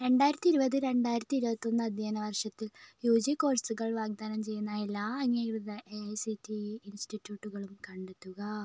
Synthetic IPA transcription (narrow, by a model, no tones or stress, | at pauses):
ɾe̞ɳɖaːjɾɐt̪ːiɾubɐðɨɾe̞ɳɖaːjiɾɐt̪ːiɾubɐt̪ːo̞nːɐɐd̪ʱjaːnɐʋɐrʂɐt̪ːiljuːd͡ʑiko̞ːrsuɣɐɭʋaːɡ̚d̪aːnɐmt͡ɕe̞jːunːɐelːaːɐŋːeiɽuðɐʔesitːiːnsʈitːjuːʈːuɣɐɭumkɐɳɖet̪ːuɣɐ